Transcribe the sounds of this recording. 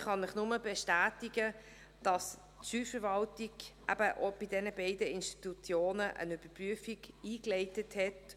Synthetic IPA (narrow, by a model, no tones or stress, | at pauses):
χɑnɪχnʊməbɛʃtæːtɪɡə | d̥ɑs | tʃyːfəɾʋɑltɪɡʔæ̰b̥əʔob̥idɛnəbeɪdəɪnʃti̥tut͡sjoːnəʔə̰nyb̥əpʁyəfiɡiːklɛɪtəthɛt